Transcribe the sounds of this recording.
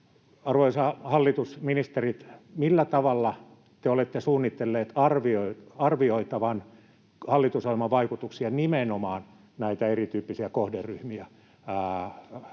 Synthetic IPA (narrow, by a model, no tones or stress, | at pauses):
ɑrʋoisɑhɑlːit̪usminist̪erit̪milːæt̪ɑʋɑlːɑ | t̪eolet̪ːesuːnːit̪ːelːeːt̪ɑrʋioiɑrʋioit̪ɑʋɑn | hɑlːit̪usɑimɑʋɑikut̪uksiɑnimenomɑːn | næit̪æerit̪yːpːisiækohderyhmiæ